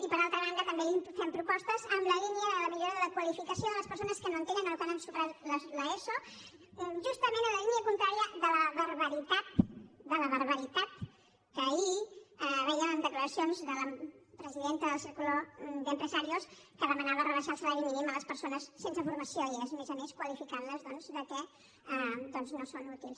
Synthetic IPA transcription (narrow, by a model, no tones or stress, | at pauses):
ipəɾalˠt̪ɾəβ̞and̪ət̪əmbeipfɛmpɾupɔst̪əzəmləliniəðələmiʎoɾəðələkwəlifikəsioðələspəɾsonəskənoənt̪enənəlukanəmsupɾat̪lləeso | ʒust̪əmẽnələliniəkunt̪ɾaɾiəðələβəɾβəɾit̪at̪̚d̪ələβəɾβəɾit̪at̪̚ | kəːiɛβɛjənd̪əkləɾəsionzðələpɾəziðent̪əðəlˠsiɾkulod̪əmpɾəzaɾios | kəðəmənaβərəβəʃaəlˠsəlaɾiminimələspəɾsonəsːensəfuɾməsioezmezomeskwəlifikanləzðɔnzðəkɛ | d̪ɔnznosonut̪ilˠs